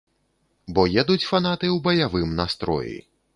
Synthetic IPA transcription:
bɔjɛd̪ut͡sʲfanat̪ɨwbɐjavɨmnast̪ɾɔ̰jḭ

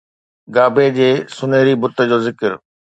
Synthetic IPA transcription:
ɡaːbed͡ʑeːsʊneːɾibʊt̪əd͡ʑoːzɪkəɾ

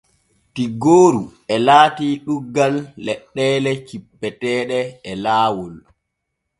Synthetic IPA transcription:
tiɡoːɾu | ɛlaːtiːɗuɡːalːɛɗːɛːlɛt͡ʃipːɛtɛːɗɛɛlaːwɔl

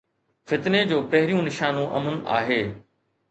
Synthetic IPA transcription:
fɪt̪ned͡ʑoːpɐɦɪɾijũnɪʃaːnũʔɐ̰mənʔa̰ːɦeː

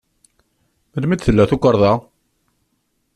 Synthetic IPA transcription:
məlmid̪θəlːæθukʷəɾˤðˤɑ

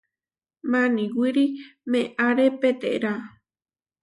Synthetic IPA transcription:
mãnĩwiɾimẽʔaɾepet̪ḛɾa

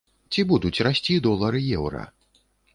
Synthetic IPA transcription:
t͡sʲibud̪ut͡sʲrasʲt͡sʲid̪ɔlˠɐɾɨjɛwɾɐ̰

